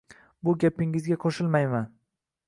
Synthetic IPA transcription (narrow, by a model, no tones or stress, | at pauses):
bʊɡʲapɪŋɪzɡʲaqʰoʃɪlmajman